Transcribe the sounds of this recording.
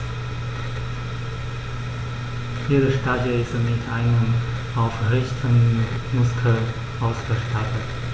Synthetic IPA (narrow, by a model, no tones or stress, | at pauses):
hiːʁəʃtadəɪstmɪtʰaɪnəm | aʊfʁɛçtʰənmʊskʰəl | ʔaʊsɡ̥əʃtatət